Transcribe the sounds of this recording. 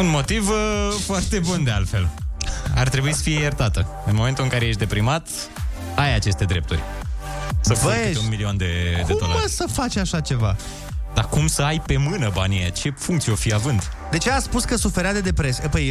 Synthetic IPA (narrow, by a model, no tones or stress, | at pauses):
unmo̞t̪ivfoart̪e̞bund̪ealt̪fe̞̰l | a̰rt̪ɾe̞buisə̥fijejert̪at̪ə | ɨnmoment̪ulɨŋkaɾeje̞ʃ̬d̪e̞pɾimat̪ | ajat͡ʃe̞st̪e̞d̪ɾe̞p̚t̪urʲ | səvit̪eunmiliond̪ekd̪euomlasəfat͡ʃʲaʃat͡ʃe̞va | d̪akumsəajpe̞mɨnəbanijḛt͡ʃe̞fuŋkt̪sieofijeavɨnd̪d̪e̞t͡ʃeaspuskəsufeɾead̪e̞d̪e̞pɾesəpəj